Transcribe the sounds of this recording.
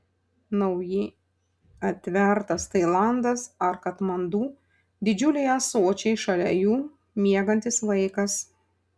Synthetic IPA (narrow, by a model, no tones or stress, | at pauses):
nɐʊjɪ | ɐt̪ʲʋʲɛˑɾt̪ɐst̪ɐɪlˠɑˑnd̪ɐsɐɾkɐt̪mɐnd̪uː | d̪ʲɪd͡ʒʲʊlʲɛjɐsoːt͡ʃʲɛɪʃɐlʲɛjuː | mʲiɛɡɐnʲt̪ʲɪslɐɪkɐs